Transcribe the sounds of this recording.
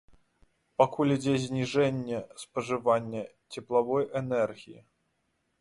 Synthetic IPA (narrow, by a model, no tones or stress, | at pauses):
pakulʲid͡zʲɛzʲnʲiʐɛnʲːɛspɐʐɨvanʲːɛ | t͡sʲɛplˠavɔjʔɛnɛrɣʲijḭ